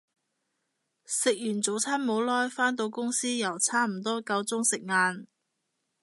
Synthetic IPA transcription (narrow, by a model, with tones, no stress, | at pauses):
sɪ˨k̚jyː˨˩nt͡so˨˥wt͡sʰaː˥nmo˨˥wlɔː˥jfaː˥nt̪̬o˧wkʊ˥ŋsiː˥jɐ˨˩wt͡sʰaː˥m̩˨˩t̪ɔː˥kɐ˧wt͡sʊ˥ŋsɪ˨k̚ŋaː˧n